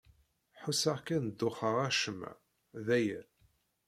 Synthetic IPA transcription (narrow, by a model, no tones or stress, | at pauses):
ħusaʁkænd̪ːʊχəʁæʃəm̰ | ðæjæ